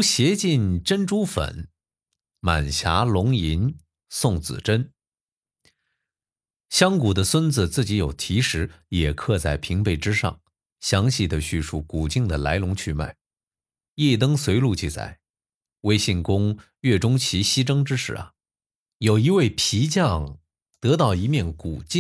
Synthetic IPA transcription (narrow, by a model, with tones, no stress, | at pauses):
u˧˥ɕjɛ˧˥t͡ɕi˥˩nʈ͡ʂə˥nʈ͡ʂu˥fə̰˨˩˦n | ma̰˨˩nɕja̰˧˥lʊ˧˥ŋi˧˥n | sʊ˥˩ŋt͡sɹ̩̰˨˩ʈ͡ʂə˥n | ɕjɑ˥ŋku˨˩d̪ə˦swə˥nd͡zɹ̩˨˩t͡sɹ̩˥˩t͡ɕi˧˥jo˨˩ʊt̪ʰi˧˥ʂɻ̩˧˥jɛ˨˩kʰɤ˥˧t͡sa˥˩ɪpʰi˧˥ŋpe˥˩ɪʈ͡ʂɻ̩˥ʂɑ̰˥˩ŋ | ɕjɑ˧˥ŋɕi˥˩d̪ə˩ɕy˥˧ʂu˥˩ku˨˩t͡ɕi˥˩ŋd̪ə˩la˧˥ɪlʊ˧˥ŋt͡ɕʰy˥˧ma̰˥˩ɪ | jɛ˥˧˩t̪ɤ˥ŋswe˧˥ɪlu˥˧t͡ɕi˥˩t͡sa̰˨˩˦ɪ | we˥ɪɕi˥˩nkʊ˥ŋ | ɥɛ˥˩ʈ͡ʂʊ˥ŋt͡ɕʰi˧˥ɕi˥ʈ͡ʂɤ˥ŋʈ͡ʂɻ̩˥ʂɻ̩˥˩ɐ̰˨˩ | jo˨˩ʊi˧˥we˥˩ɪpʰi˧˥t͡ɕjɑ˥˧ŋ | t̪ɤ˧˥t̪ɑ˥˩ʊi˧˥mjɛ˥˩nku˨˩t͡ɕi˥˧